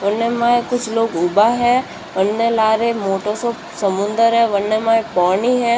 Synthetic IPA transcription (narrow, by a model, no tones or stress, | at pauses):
ʋɐnːemaːekʊt͡ʃʰloːɡʊbaɦɛː | ʋənːelaːɾemoːʈosoːpsəmʊ̃nd̪əɾɦɛʋɐnːemãːepaːniɦɛ̃